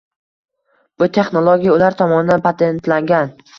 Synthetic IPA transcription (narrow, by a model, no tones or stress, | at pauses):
b̥ʊt̪ʰe̞χnolˠoɡʲijaʊlaɾt̪ʰɒmɒnɪd̪anpʰat̪ʰe̞nt̪laŋɡʲan